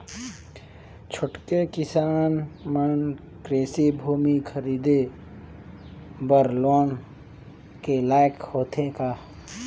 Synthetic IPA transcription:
t͡ʃʰʊʈkekɪsaːnmən | kɾeːsibʱuːmikʰəɾiːd̪e | bəɾloːn | kelaːjəkhoːt̪ʰekaː

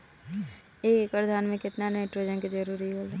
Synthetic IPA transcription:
eːkekpɾd̪ʱaːnmẽkɪt̪nanmeʈɾoːd͡ʒənkid͡ʒɐɾuːɾiɦoːle

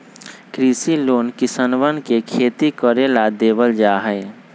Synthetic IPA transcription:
kɾiːsiloːnkɪsənʋənkekʰeːt̪ikəɾelad̪eːbəld͡ʒaːɦɛɪ

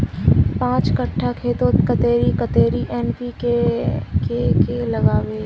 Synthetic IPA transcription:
pãːt͡ʃkɐʈʰːakʰeːt̪õt̪kɐt̪eːɾikət̪eːɾiʔɛːnpikekekelɐɡaːweː

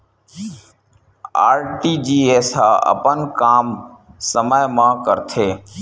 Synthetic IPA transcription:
aːɾʈiːd͡ʒiːeːsɦaːə̰pənkaːmsəməjmãːkəɾt̪ʰeː

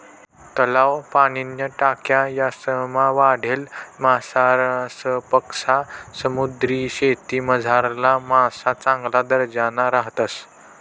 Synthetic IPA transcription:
t̪əlaʋpaɽ̃injəʈakjajasəmaʋaɽ̤elmasaɾsəpəkʂasəmud̪ɾiːɕet̪iːməd͡zʱaɾlamasat͡sãŋɡlad̪əɾd͡ʑanaɾaɦt̪as

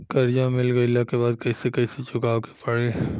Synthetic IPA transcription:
kɐɾd͡ʒãmɪlɡəɪlakebaːd̪̚kɐisekɐiset͡ʃʊkaːʋke̥pɐɽeː

